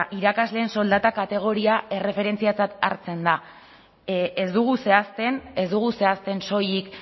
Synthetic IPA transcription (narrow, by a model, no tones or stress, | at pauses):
ʔiɾakazle̞ːnso̞ld̪at̪akat̪e̞ɣ̞o̞ɾiae̞re̞fe̞ɾe̞nt͡siat͡sat̪a̰ɾt͡se̞nd̪a | ezd̪uɣ̞use̞ast̪e̞nezd̪uɣ̞use̞ast̪e̞nso̞jik